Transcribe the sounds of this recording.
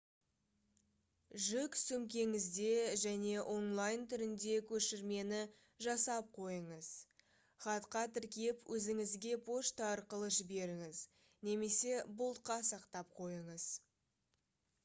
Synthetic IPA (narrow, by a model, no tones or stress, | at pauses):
ʒʏksɵmkʲe̞ŋɪzd̪e̞ʒæne̞ʔo̞nlˠajnt̪ʰʏɾɪnd̪e̞kʲʰɵʃɪɾme̞nɪ | ʒɑsɑp̚qʰo̞jəɴəz | χɑt̪qɑt̪ɪɾkʲepwʔɵzɪŋɪzɡʲe̞pʰo̞ʃt̪ɑɑɾqəlˠəʒɪbe̞ɾɪŋɪz | ne̞me̞se̞bʊlˠt̪̚qɑsɑqt̪ɑp̚qʰo̞jəɴəz̥